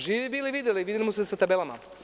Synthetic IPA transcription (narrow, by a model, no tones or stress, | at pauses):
ʒiːibiːliʋid̪eliʋid̪ʲelimosesat̪abelama̰